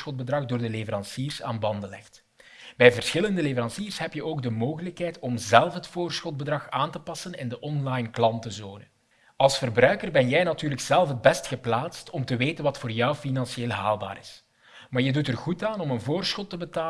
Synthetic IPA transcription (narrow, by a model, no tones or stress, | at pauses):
xɔt̚bədrɑɣdoːrdəlevəɾɑnsiːrsa̰ːnbɑndəlɛ̰xt | bɛjvərsxɪləndəlevəɾɑnsiːrsɦɛpjəʔoːɡ̚dəmoːɣələkɦɛjtɔmzɛlˠfɦətfoːrsxɔt̚bədrɑxaːntəpɑsənɪndəʔɔnlɑjnklɑntəzoːnə | ɑlˠsfərbrœɥkərbɛnjɛjnatyːrləkz̥ɛlˠfɦəd̚bɛstxəplaːtstɔmtəʋeːtənʋɑtfʊːrjɔwfinɑnsieːlˠɦaːlˠba̰ːɾɪs | maːrjədutərɣutaːnɔmənvoːrsxɔtːəbətaː